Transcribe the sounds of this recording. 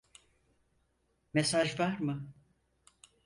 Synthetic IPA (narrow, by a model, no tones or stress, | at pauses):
mesaʒvaɾmɯ